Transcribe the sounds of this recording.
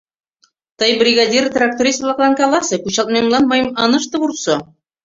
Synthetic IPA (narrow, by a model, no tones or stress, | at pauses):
t̪ɤjbrʲiɡad̪ʲirt̪rak̚t̪oɾislˠɑklˠɑŋkalˠɑsɤkʉɕɑlt̪mɑjɤmlˠɑnmɑjɤmɑnɤ̆ʃt̪ɤbuɾso